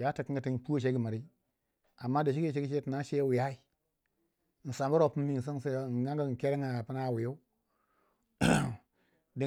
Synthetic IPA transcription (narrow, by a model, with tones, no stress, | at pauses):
ja˦ta˨ki˦ŋ˦ɡa˨ti˦˨pu˦o˦˨ʃ̬e˦ɡi˨ma˨ɾi˦ | a˨mːa˦da˨ʃi˦ki˦˨ʃ̬e˦ɡi˦ʃe˦ti˨na˦ʃe˦wi˨ja˦i˨ | n̩˨sa˨mbu˦ɾo˦˨pu˦mː˦i˦n̩˨s̬i˦n˦sn˨ɡa˦ŋɡa˦˨ke˦ɾe˦ŋa˨a˨pi˦na˦˨wi˨jo˦ | di˨